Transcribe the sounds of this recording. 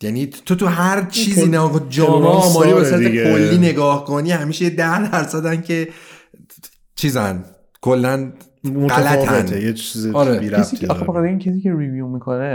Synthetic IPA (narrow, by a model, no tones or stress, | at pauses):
jænit̪ʰot̪ʰuɦæɾt͡ʃʰiːziːnæd͡ʒɒːmɒɒːmɒːɾiːbesoɾæekolːiːne̞ɡɒːhko̞niːhæmiːʃejed̪æhd̪æɾsæd̪æncʰe̞ | t͡ʃʰiːzæn | kʰolːæn | oɢæælæævent̪ʰejet͡ʃʰizeɒɾebiɾæesiːefæabeamcʰʲesiːceɾivjumikʰone